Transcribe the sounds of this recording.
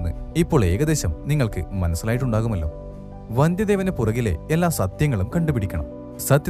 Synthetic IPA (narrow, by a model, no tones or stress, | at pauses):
nːɨ̰ipːo̞ːɭe̞ːɣɐd̪e̞ːɕɐmniŋːɐɭkɨ̰mɐnɐsːilaːjiʈ̬ːuɳɖaːɣumɐlːo̞ː | ʋɐnd̪jɐd̪eʋɐnepurɐɣile̞̰elːaːsɐt̪jɐŋːɐɭumkɐɳɖupiɽikʲːɐɳɐ̰m | sɐt̪j